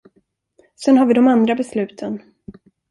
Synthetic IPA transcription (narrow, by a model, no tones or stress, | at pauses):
sɛnɦaɾvɪd̪ɔmand̪ɾabɛslʉ̟ːt̪ʰən